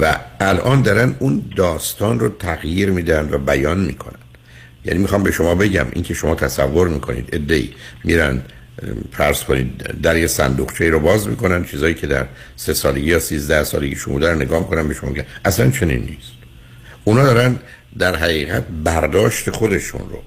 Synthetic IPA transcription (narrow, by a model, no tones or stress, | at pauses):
væælʔɒːnd̪ɒːɾænd̪und̪ɒːst̪ɒːnrot̪ʰæɣjiːɾmiːd̪ænd̪væbæjɒːnmikʰo̞̰nænd̪̥ | jæ̰niːmixɒmbe̞ʃo̞mɒːbe̞ɟæ̰mʔḭːŋkʰe̞ʃo̞mɒːt̪ʰæsævːo̞ɾmiːkʰo̞̰nḭːd̪e̞d̪ːe̞ʔḭːmiɾænd̪ | fæɾz̥kʰo̞nḭd̪d̪æɾjesæ̰nd̪uqt͡ʃʰeiɾobɒːzmḭːko̞nænd̪t͡ʃʰiːzɒːjiːcʰe̞d̪æ̰ɾ | se̞sɒːleɟiːjɒːsiːzd̪æhsɒ̰ːle̞ɡiːʃumbud̪æɾoneɡɒːmikʰo̞næmbe̞ʃomɒːmeɟæmʔæslænt͡ʃʰe̞nḭnːḭːst̪ | ʔunɒːd̪ɒːɾænd̪ | d̪æɾɦæʁiːɣæt̪̚bæɾd̪ɒːʃt̪e̞xo̞d̪e̞ʃṵnɾo̰